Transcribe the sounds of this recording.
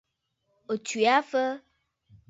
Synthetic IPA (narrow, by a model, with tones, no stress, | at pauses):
o˨t͡ʃwi˨a˦fə˦